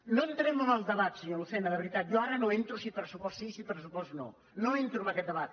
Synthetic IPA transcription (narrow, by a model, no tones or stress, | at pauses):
noent̪ɾemuzəlˠzðəβat̪siɲolsenəðəβɾit̪at̪joaɾɐnoent̪ɾusipɾsupɔssisipɾəsupɔsno̰ | noent̪ɾumɐkɛt̪d̪əβat̪̚